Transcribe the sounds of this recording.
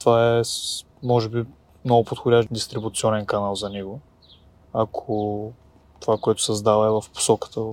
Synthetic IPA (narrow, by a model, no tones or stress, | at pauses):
t̪ovaɛs | mɔʒɛbi | mnɔɡʊpot̪xʊd̪ʲaʃd̪ist̪ɾibut̪siɔnɛnkɐnalˠzɐnɛɡʊ | akʰo | t̪ovakoɛt̪ʊ̥sɛzd̪avɐɛvɐfpo̥sɔkə̥t̪ə